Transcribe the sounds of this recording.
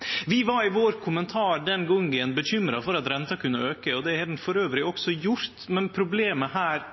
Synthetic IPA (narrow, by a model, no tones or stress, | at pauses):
ʋɪʋɑɾɪʋoːɾkʰʊmənt̪ʰɑːɾɖɛnɡɔŋənbəɕʏmɾɑfɔɾɑt̪ɾɛnt̪ɑkʰʉnːəøːkəɔd̪ɛhɑd̪ɛnfɔɾøːʋɾɪɔksɔjʊɾt̪mɛnpʰɾʊbleːməhæːɾ